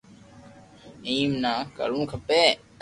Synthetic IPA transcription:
ĩːmnãːkə̰lũːkʰəpeː

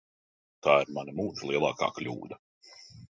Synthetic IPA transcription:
t̪aːiɾmanɐmuːt̪lˠiɛlˠɑ̰ːka̰ːklʲṵːd̪ɐ

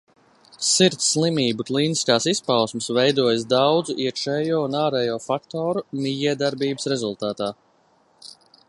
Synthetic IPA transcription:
siɾt̪sːlˠimiːbuklˠiːniskaːsispawsməsvɛjd̪uɔjəsd̪awd̪zuʔiɛkʃɛːjoːunaːɾɛːjɔːfakt̪ɔːɾumijiɛd̪aɾbiːbəsɾɛzulˠt̪aːt̪aː

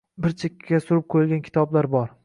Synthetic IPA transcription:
bɪɾt͡ʃʰekʲʰːasʊɾɪp̚qʰojɪlˠɡʲankʲʰɪ̥t̪ʰɒblaɾbɒɾ

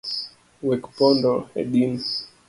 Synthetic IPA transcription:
wɛkpɔndɔɛ̰ɗin

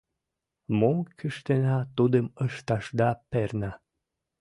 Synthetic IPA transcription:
mokyʃt̪enɑt̪ud̪əməʃt̪ɑʃd̪ɑpernɑ

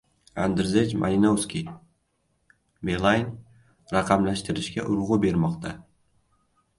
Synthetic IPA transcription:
and̪ɪɾzed͡ʒmʔa̰lʲinowskʲi | belˠajn | ɾɑqʰɑmlaʃt̪ɪɾɪʃkʲaʔʊɾʁʊbe̞ɾmɒqt̪ʰa

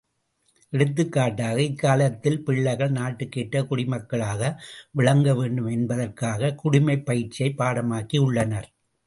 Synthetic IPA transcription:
ʔɛɽɯt̪̬ːɯkːaːʈːaːɣɐɪkːaːlɐt̪ːɪlpɪɭːɐɪɣɐɭnaːʈːɯkːeːʈːɐkʊɽɪmɐkːɐɭaːɣɐʋɪɭɐŋɡɐʋeːɳɖɯmɛnbɐðɐrkaːɣɐkʊɽɪmɐɪpːɐjɪɾt͡ʃːɪɐɪpːaːɽɐmaːkːiʊɭːɐnɐɾ

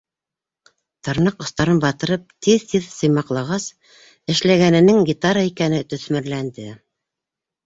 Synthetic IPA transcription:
t̪ɤ̆ɾnɤqŏst̪ɑɾɤnbɑt̪ɤ̆ɾɤp̚t̪iðt̪iðsɤ̆jmɑqlˠɑʁɑs | ɘ̆ʃlæɡænɘ̆nɘŋɡʲit̪aɾaikænɘt̪ɵ̆θmɘ̆ɾlænd̪ɘ

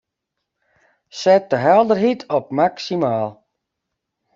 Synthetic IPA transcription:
sɛt̚əɦɛlˠdərɦitʰɔp̚maksimaːlˠ

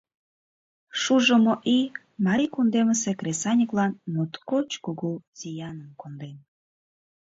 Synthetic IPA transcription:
ʃuʒəmoʔi | mɑɾʲikund̪eməsekrʲesɑnʲiklɑnmut̪kot͡ɕkuɣuzijɑnəmkond̪en

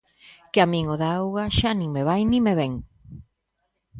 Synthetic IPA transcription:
keamĩŋoðaawɣaʃanĩŋmeβ̞ajnĩmeβeŋ

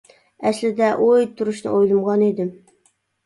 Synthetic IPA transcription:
æslɪd̪æʔojt̪ʰʊɾuʃnɨ̰ʔojlˠumʁɑned̪ɪ

